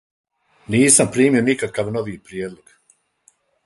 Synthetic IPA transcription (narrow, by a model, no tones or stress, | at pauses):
niːsampɾiːmionikakaʋnoʋiːpɾjeːd̪lˠoɡ̥